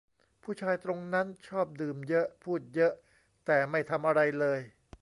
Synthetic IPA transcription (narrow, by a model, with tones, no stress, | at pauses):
pʰuː˥˩t͡ɕʰaː˧jt̪ɾo˧ŋna˦˥nt͡ɕʰɔː˥˩p̚dɯː˨˩mjɤ˦˥ʔpʰuː˥˩t̪̚jɤ˦˥ʔ | t̪ɛː˨˩ma˥˩jt̪ʰa˧mʔa˧ɾa˧jlɤː˧j